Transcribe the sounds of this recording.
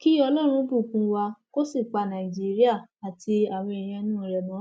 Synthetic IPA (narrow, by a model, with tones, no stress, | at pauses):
ki˦ɔ˧lɔ˦ɾ̃ũ˧˦bu˦˨kũ˧˦wa˧ko˦si˦˨k͡pa˧nã˨i˨d͡ʒi˦ɾi˦a˦˨a˨tʰi˧a˨wĩ˧i˨j̃ɛ̃˧nũ˦˨ɾɛ˧˨mã˨˦